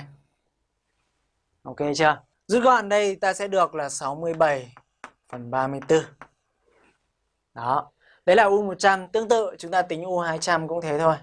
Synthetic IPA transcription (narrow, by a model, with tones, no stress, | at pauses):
ʔo˧ke˧t͡ɕə˧ə | zṵ˧˥ɣɔ̰˧˨nɗə˧jt̪aː˧sɛ̰˧˥ɗɨ˨˩ək̚laː˨˩sa˨˦wmɨ˧əjɓə˨˩j | fə˨˩nɓaː˧mɨ˧əjt̪ɨ˧ | ɗɔ˨˦ | ɗə˧˦jlaː˨˩ʔu˧mo˨˩t̚t͡ɕa˧mt̪ɨ˨˦əŋt̪ɨ̰˧˨t͡ɕʊ˨˦ŋ͡mt̪aː˧t̪ï˨˦ŋ̟ʔu˧haː˧jt͡ɕa˧mkʊ̰˧˥ŋ͡mt̪ʰe˨˦t̪ʰo˧j